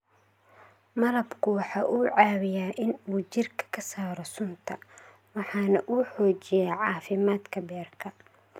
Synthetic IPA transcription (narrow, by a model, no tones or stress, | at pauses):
mɐlɐbkʰʊwɑħɑːʔuːʕɑːβɪjaːʔɪnuːt͡ʃɪrkʰɐ̥kʰɐsaːɾɔsʊnt̪ʰɐ | wɑħɑːnɐʔuːħɔːt͡ʃɪjɛːʕɑːfɪmaːd̪kʰɐbɛːrkʰɐ